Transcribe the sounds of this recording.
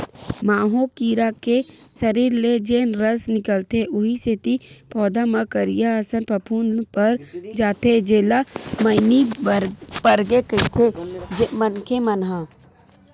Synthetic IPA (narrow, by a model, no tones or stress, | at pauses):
maːɦõkiːɾake | sɐɾiːɾled͡ʒeːnɾəsnɪkəlt̪eʔʊɦiset̪ipʰɔːd̪amɐkəɾijasənpɐpʰuːnpəɾd͡ʒaːt̪ed͡ʒeːlaməɪni | pəɾɡekəɪt̪ʰemənkemənɦãː